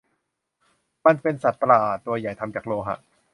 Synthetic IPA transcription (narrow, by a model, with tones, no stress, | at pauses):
ma˧npe˧nsa˨˩t̪̚plaː˨˩t̪ːu˧ɐja˨˩jt̪ʰa˧mt͡ɕaː˨˩k̚loː˧ɦa̰˧˥ʔ